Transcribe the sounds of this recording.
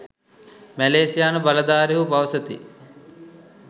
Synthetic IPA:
mæleːsijaːnəbalɐd̪aːɾiɦubaʋɐsət̪ḭ

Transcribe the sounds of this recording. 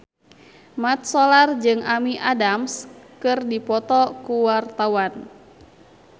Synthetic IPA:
mat̪̚sɔlard͡ʒɨŋamiʔadamskɨrdipɔt̪ɔkuwart̪awan

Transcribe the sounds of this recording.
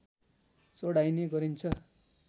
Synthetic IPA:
soɽajneɡʌɾint͡sʰʌ

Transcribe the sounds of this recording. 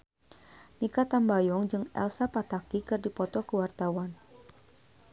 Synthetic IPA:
nikat̪ambajɔŋd͡ʒɨŋɛ̰lsapat̪akikɨrdipɔt̪ɔkəwart̪awan

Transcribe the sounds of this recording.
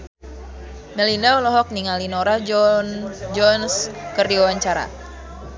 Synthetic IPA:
mɛlindaulɔɦɔk̚niŋalinɔɾa | d͡ʒɔnskərdiwawaɲt͡ʃaɾa̰

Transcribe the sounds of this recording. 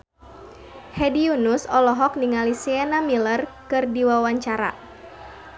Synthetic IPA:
hɛdiunusɔlɔɦɔk̚niŋalisianamilərkɨrdiwawaɲt͡ʃaɾa̰

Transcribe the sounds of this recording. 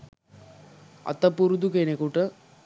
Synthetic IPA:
ɐ̰t̪ːɐpːuɾud̪ukenekuʈɐ

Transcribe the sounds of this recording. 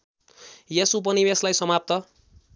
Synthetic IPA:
jesup̬ʌnibeslajsʌmap̚t̪ʌ

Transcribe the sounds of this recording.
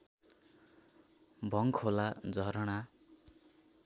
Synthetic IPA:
bʱʌŋkʰolad͡zʌɾʌɽ̃a

